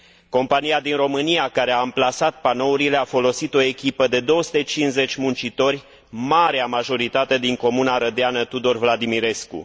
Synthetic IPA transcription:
ko̞mpanijad̪inro̞mɨnijakaɾe̞aɨmplasat̪̚pano̞uɾile̞afo̞lo̞sit̪o̞e̞kʲipəd̪e̞d̪o̞wəsu̥t̪e̞t͡ʃinze̞t͡ʃʲmunt͡ʃit̪o̞rʲ | maɾeamaʒo̞ɾit̪at̪e̞d̪iŋko̞munaɾəd̪eanət̪ud̪o̞rvlad̪imiɾe̞skṵ

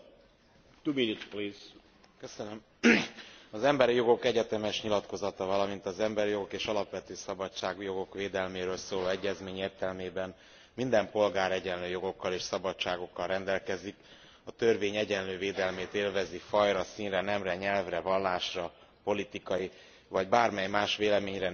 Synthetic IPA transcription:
t̪ubilit̪plis | køsønøm | ɒzɛmbɛɾijo̞ɡo̞kɛɟɛt̪ɛmɛʃɲilɒt̪ko̞zɒt̪ɒvɒlɒmint̪ɒzɛmbɛɾijo̞ɡo̞keːʃɒlɒpʋɛt̪øːsɒbɒt͡ʃaːɡjo̞ɡo̞kʋeːd̪ɛlmeːɾøːlsoːloːɛɟːɛzmeːɲeːrt̪ɛlmeːbɛn | mind̪ɛmpo̞lɡaːɾɛɟɛnløːjo̞ɡo̞kːɒleːʃsɒbɒtt͡ʃaːɡo̞kːɒlrɛnd̪ɛlkɛzik | ɒt̪ørveːɲɛɟɛnløːveːd̪ɛlmeːt̪eːlvɛzifɒjɾɒsiːnrɛnɛmrɛɲɛlvrɛvɒlːaːʃrɒpo̞lit̪ikɒji | vɒɟbaːrmɛjmaːʃʋeːlɛmeːɲrɛ

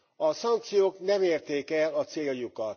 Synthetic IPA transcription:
ɒsɒŋk̚t̪sijoːknɛmeːrt̪eːkɛlɒt̪seːljukɒt̪

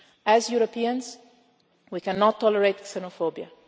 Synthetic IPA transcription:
æzjuɾopiə̃nz | wikæ̃nːɔtʰːɔləɹetksɛnofobia

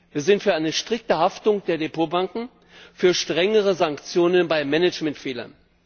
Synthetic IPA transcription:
viːɐzɪntfyːɐʔaɪnəʃtʁ̥ɪk̚təɦaftʊŋd̥eːɐdepoːbaŋkŋ̩ | fyːɐʃtʁ̥ɛŋəʁəzaŋkt͡sjoːnənbaɪmɛnɛt͡ʃmɛntfeːlɐ̰n

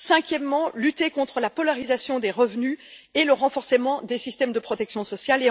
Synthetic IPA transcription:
sɛ̃kʲjɛmːɑ̃lyt̪ekɔ̃t̪χəlapɔlaʁizasjɔ̃d̪eʁəvnyeləʁɑ̃fɔʁsəmɑ̃d̪esist̪ɛmd̪əpχɔt̪ɛksjɔ̃sɔsjale

